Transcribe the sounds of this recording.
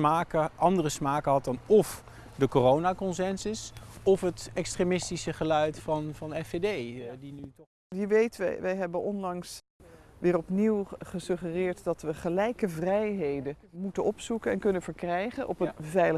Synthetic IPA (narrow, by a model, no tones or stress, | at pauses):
maːkəʔɑndərəsmaːkəɦɑt̚dɑnɔf | dəkorownaːkɔnsɛnsɪsɔfɦətɛkstremɪstisəχəlœɥtfɑnvɑnɛfedejdinyt | jəʋejtʋɛ̰ʋɛjɦɛbənʔɔnlɑŋs | ʋɪːrɔpniwχəsɵχərɪːɹtdɑtʋəχəlɛjkəvrɛjɦejdə | mutənɔpsukənɛnkɵnəvəɹkrɛjχənʔɔpənvɛjlə